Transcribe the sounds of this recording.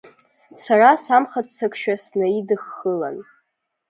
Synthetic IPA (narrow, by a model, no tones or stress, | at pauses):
sarasamχat͡ssʰakʰʃᶣasnaidɨχːəla̰n